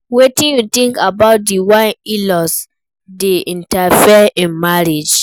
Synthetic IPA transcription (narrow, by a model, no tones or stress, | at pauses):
wetĩnjut̪ĩŋkabaʊt̚diwãilɔs | deĩntafɛĩnmaɹid͡ʒ